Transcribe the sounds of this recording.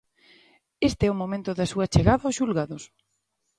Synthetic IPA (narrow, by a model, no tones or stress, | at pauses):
est̪eɛʊmomẽnt̪ʊðɐsuɐt͡ʃeɣaðɐosʃulɣaðʊs